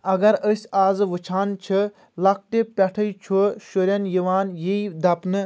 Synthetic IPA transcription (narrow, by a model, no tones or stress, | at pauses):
ɐɡɐɾəsʲaːzɨʋɨt͡ʃʰaːnt͡ʃʰɨ | lɐk̚ʈepʲɐʈʰɐjt͡ʃʰoʃoɾʲɐnjiʋaːnjeid̪ɐpnɨ